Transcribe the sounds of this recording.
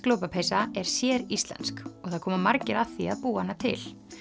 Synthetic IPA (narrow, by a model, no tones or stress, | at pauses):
kloːwpapʰejsaɛɾ̥sjɛːɾist̪lɛ̰nskɔɣθaðkʰɔːmamaɾcɪɾaθiaðpuːahanːat̪ʰɪ̰l